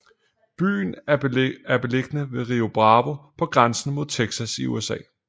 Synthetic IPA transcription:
b̥y̰ːn̩ | æɐb̥e̝le̝ɡ̥ənəʋe̝ʁio̝b̥ʁɑ̈ːʋopʰɒ̽ɡ̥ʁansn̩mo̝ð̰ˠt͡sʰeɡ̥sæsiṵesɛ̰ː

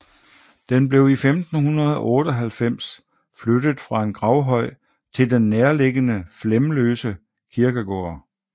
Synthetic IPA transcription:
d̥enb̥le̝ʊifemd̥n̩hunɐð̞ˠɒʔɔ̽ːɾ̥ɒ̽ɦælfem̰s | flød̥əð̩ˠfʁɑ̈e̝nɡ̥ʁɑ̈ʊɦɒ̽ɪ̰ | t͡sʰe̝ld̥enːeɐle̝ɡ̥ənəflemløːsə | kʰiɐɡ̥əɡ̥o̰ːɐ

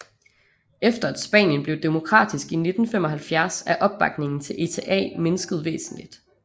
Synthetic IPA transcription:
efd̥ɐæd̥sb̥ɛ̰ːnjənb̥le̝ʊd̥e̝mo̝kʰʁɑ̰̈ːd̥isɡ̥ine̝d̥n̩fem̰ɒ̽ɦælfjæɐsæʔɒ̽b̥̚ːɑ̈ɡ̥ne̝ŋn̩t͡sʰe̝lʔe̝t͡sʰeʔɛ̰ːme̝nəsɡ̥əð̞̩ˠʋḛːsn̩lid̥

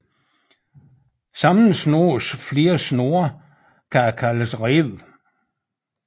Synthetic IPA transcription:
sɑmn̩sno̝sfle̝ːɐsno̝ɐ | kʰækʰæləsʁeʋ

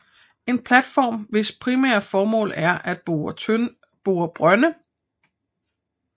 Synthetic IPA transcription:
e̝npʰlæd̥fɒ̰ːmʋe̝spʰʁimɛ̰ɐfɒːmɔ̰̽ːlæɐʔæd̥ | b̥uːɐb̥ʁɶnə

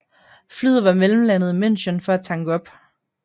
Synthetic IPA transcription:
flyð̰ˠʋɑ̈meləm̩lænð̩ˠimen̰ɕənfɒ̽æt͡sʰɑ̈ŋɡ̥əɒ̽b̥

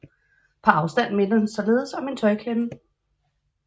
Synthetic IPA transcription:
pʰɑ̈ɑ̈ʊsd̥æn̰me̝nɐhnsɒ̽le̝ːð̞̩ˠsɒ̽me̝nt͡sʰɒ̽ɪkʰænə

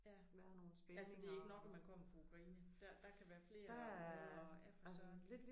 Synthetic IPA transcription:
æ | ʋæɐno̝ːln̩sb̥eælssŋde̝æe̝ɡ̥ənɒ̽ɡ̥ɒmænkʰɒ̽m̰ɐfɑ̈ukʰʁɑiːnəd̥æd̥ɑ̈kʰæʋæːɐfle̝ːɐd̥ɑæɒæfsle̝d̥l

